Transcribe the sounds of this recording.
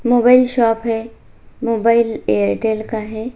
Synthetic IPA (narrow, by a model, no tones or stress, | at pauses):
moːbaːɪlʃɔːpɦɛ | moːbaːɪleːəɾeʈeːlkaɦɛː